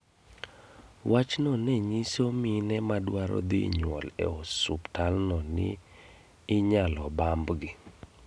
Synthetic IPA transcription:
wʔat͡ʃnɔnɛɲisominɛmadwaɾɔ̰d̪ḭɲwɔlɛ̰ɔsuptalnɔnɪ̰ː | ɲalɔbambɡɪ

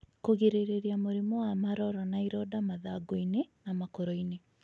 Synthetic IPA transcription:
koɣeɾeɾeɾiamoɾimoamaɾɔɾɔnaiɾɔdamaðaɡoinenamakoɾɔine

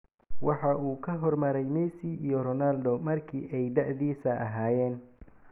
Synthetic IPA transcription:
wɑħɑʔuːkʰɐɦɔrmɐɾɛjmɛsiiːjɔrɔnald̪ɔmɐrkʰḭːʔɛjd̪ɑʕðiːsɐʔɐ̰ɦaːjɛːn

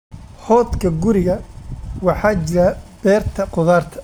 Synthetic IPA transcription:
hɔːd̪kʰɐɡʊɾɪɣɐwɑħɑːt͡ʃɪɾɐb̥ɛːrt̪ʰɐqʊðaːrt̪ʰɐ̥

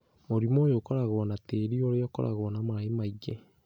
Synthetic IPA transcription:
moɾimoːjokɔɾaɣwɔnateːɾioɾeɔkɔ̰ɾa̰ɣwɔnamaɾaemaiɡe

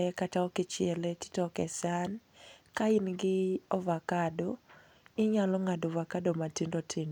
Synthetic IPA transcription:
ɛkataɔkɪt͡ʃɪɛletɪ̥tɔkɛsankaɪnɡɪɔvakadɔ | ɪɲalɔŋadovakadomatindotʰin

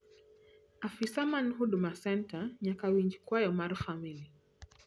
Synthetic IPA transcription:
afisamanɦuɗumasɛntaɲakawiɲd͡ʒikwajɔmaɾxamili

